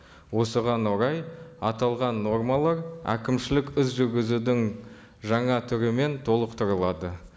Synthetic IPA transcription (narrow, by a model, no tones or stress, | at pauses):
wo̞səʁɑnwoɾɑjɑt̪ɑlˠʁɑnːo̞rmɑlˠɑɾæ̰kʲɪmʃɪlɪkʲɪsʒʏɾɡʲɪzud̪ɪŋ | ʒɑɴɑt̪ʰʏɾɪme̞nt̪ʰo̞lˠəqt̪ʰəɾəlˠɑd̪ə